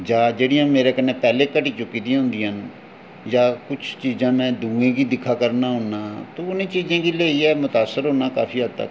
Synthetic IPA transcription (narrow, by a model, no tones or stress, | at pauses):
d͡ʒaːd͡ʒeːɽijãːmeːɾeːkənːẽːpɛːleːkəʈiːt͡ʃʊkːiːd̪ĩɦʊ̃nd̪ĩːən | jaːkʊt͡ʃʰt͡ʃiːzãːnẽːd̪ũːẽːɡiːd̪ɪkʰːaːkəɾnaːɦʊnaːt̪oʊnẽːt͡ʃiːzãːɡiːleːiːɛːmʊt̪aːsːəɾɦoːnaːkaːpʰiːɦəd̪t̪ə̰k